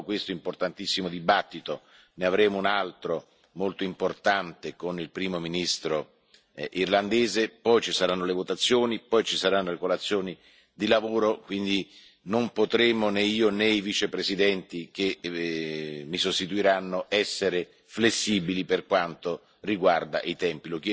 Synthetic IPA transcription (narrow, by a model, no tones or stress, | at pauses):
kwest̪oimport̪ant̪isːimod̪ibat̪ːit̪o | neavɾeːmounalt̪ɾo | molt̪oimport̪ant̪ekonilpɾiːmominist̪ɾo | ʔirland̪eːzepɔjt͡ʃisaɾanːolevot̪at̪sːjoːnipɔjt͡ʃisaɾanːolekolat̪sːjoːni | d̪ilavoːɾokwind̪i | nompot̪ɾeːmoneiːoneivit͡ʃepɾesid̪ɛnt̪ik̟e | mːisost̪it̪uiɾanːoʔɛsːeɾe | flesːiːbiliperkwant̪o | riɡward̪a̰ʔit̪ɛmpilokː